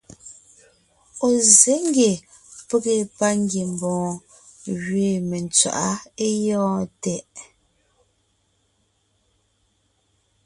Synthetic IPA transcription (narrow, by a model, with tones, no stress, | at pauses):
o˨ze˨˦ŋɡe˨ | pe˦ɣe˨pa˦ŋɡe˨m˨bɔ̃ː˨ | ɣɥeː˨me˨nt͡sɥa̰˨ʔa˦e˦jɔ̃ː˦tɛ˨ʔ